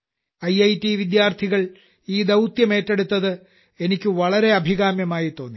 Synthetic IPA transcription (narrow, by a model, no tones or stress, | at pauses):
ɐjɐjtiʋid̪jaːrt̪ʰiɣɐɭ | iːd̪ɐwt̪jɐme̞ːtːe̞ɽut̪ːɐðɨ | e̞nikʲːɨʋɐɭɐɾe̞ɐbʱiɣaːmjɐmaːjit̪ːo̞ːnːi